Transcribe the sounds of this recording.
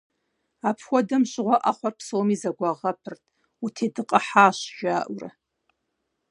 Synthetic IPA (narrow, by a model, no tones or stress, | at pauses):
apʰxʷɔdɐmɕʼɪʁʷaʔaχʷɔrpʰsowmizɐɡʷaʁɐpʰɨrtʰʼ | utʰedɨqʼaħaːʃʒ̥aːʔʷrɐ̰